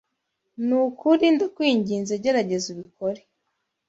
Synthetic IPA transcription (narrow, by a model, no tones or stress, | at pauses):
nukʰuɾindakwiːɲɟiːnzeɟe̞ɾaɟe̞ziβikʰo̞ɾe